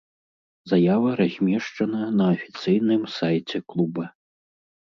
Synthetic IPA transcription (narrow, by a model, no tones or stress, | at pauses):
zajavɐɾazʲmʲɛʂt͡ʂɐnɐnɐːfʲi̥t̪sɨjnɨmsajt͡sʲɛklˠubɐ